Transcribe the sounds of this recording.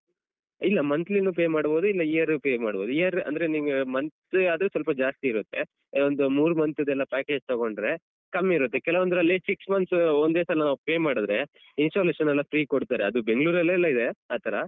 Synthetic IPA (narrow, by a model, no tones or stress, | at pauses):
ilːɐmɐnt̪linuːp̬eːmaːɽbo̞ːd̪uilːɐiɐɾpeːmaːɽbo̞ːd̪uiɐɾɐ̰nd̪ɐɾeniɡemɐnt̪ | aːd̪ɾesʋɐlpɐd͡ʒaːst̪iːɾut̪ːe | ond̪umuːɾmɐnt̪ud̪ɛlːɐpaːke̞ːd͡ʒt̪oɡo̞ɳɖɾe | kɐmːiiɾut̪ːekɛlɐʋond̪uɾɐlːisiksmɐnsond̪eːsalɐnaːʋupeːmaːɽud̪ɾe | insʈoːleːʂɐnɛlːɐfɾiːkoɽt̪aːɾeɐd̪ube̞ŋɡɭuːɾɐlːɐlːɐid̪eaːt̪ʰɐɾɐ